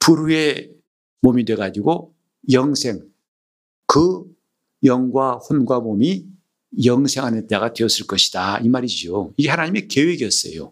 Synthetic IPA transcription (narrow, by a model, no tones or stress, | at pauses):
puɾue̞ | momidwe̞ɡad͡ʑiɡo | jʌŋsʰe̞ŋ | kɯ | jʌŋɡwaɸonɡwamomi | jʌŋsʰe̞ŋɦanet͈aɡadwe̞ʌs͈ɯɭk͈ʌɕʰi̥d̥aimaɾid͡ʑioiɡe̞hanaɲime̞kewe̞ɡiʌs͈ʌ̰jo̰